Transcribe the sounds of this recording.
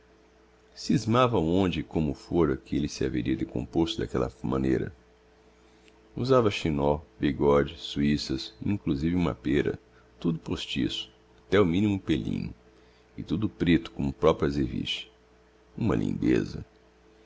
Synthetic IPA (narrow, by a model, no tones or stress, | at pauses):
sizmavɐõnd͡ʒɪkõmʊfoɾɐkɪelɪsɪaveɾiɐd̪ekõ̰post̪ɪd̪akɛlɐ̰mɐ̃nejɾɐ̰ | uzavɐʃĩnɔbiɡɔd͡ʒɪsuisɐsḭ̃ŋkluzivɪũmɐ̰peɾɐ̰ | t̪ud̪ʊpost͡ʃḭsʊ̥ | at̪ɛʊmĩnimʊpelḭ̃ɲʊ̰ | ɪt̪ud̪ʊpɾet̪ʊ̥kõmʊpɾɔpɾuezeɾvḭsɐ̥ | ũmɐ̰lḭ̃nd̪ḛzɐ̰